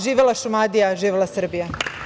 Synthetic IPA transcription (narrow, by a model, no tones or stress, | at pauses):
ʒiːʋelˠaʃumad̪ijaʒiːʋelasr̩bija